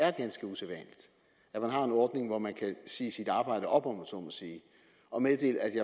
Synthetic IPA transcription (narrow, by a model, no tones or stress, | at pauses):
æɐɡ̥ænsɡ̥əusʰeʋɛ̰nlid̥ | æ̥mænɦɑ̈e̝nɒːd̥ne̝ŋʋɒmænkʰæsḭːsid̥ɑ̈ːb̥ɑ̈ɪ̰d̥əʔɒ̽b̥ɒmsɔ̰ːmænsiː | ɒ̽meðˠd̥e̝̰ːləæd̥jɑ̈